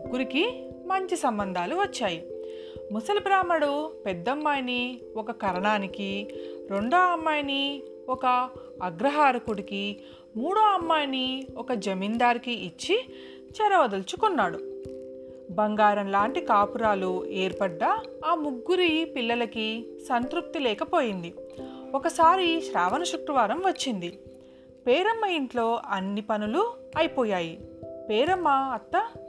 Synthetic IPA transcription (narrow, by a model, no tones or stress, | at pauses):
muɡːuɾiki | mɐɲt͡ʃisɐmbɐnd̪ʱaːluʋɐt͡ʃːaːji | musɐlɐbɾaːmɐɽupɛd̪ːɐmːaːjni | ɔkɐkɐɾɐɳaːnikiɾo̞ɳɖoːɐmːaːjɐni | ɔkɐː | ɡɾɐɦaːɾɐkuɽiki | muːɽuɐmːaːjniɔkɐd͡ʒɐmind̪aːɾikiʔːt͡ʃːi | t͡ʃɐɾɐʋɐd̪ɐlt͡ʃukunːaːɽu | bɐŋɡaːɾɐnlaːɳʈikaːpuɾaːlueːɾpɐɖːɐːmuɡːuɾipilːɐlɐkisɐnt̪ɾuk̚t̪ilɛːkɐpoːjind̪iɔkɐsaːɾiʃɾaːʋɐnɐʃukɾɐʋaːɾɐmʋɐt͡ʃːind̪i | pɛːɾɐmːɐinʈ̪lo̞ːʔɐnːipɐnuluɐjipoːjaːjipɛːɾɐmːɐɐt̪ːɐ